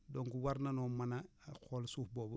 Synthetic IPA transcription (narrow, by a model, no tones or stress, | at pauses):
doŋɡuwaɾnanomanakolsuːhboːb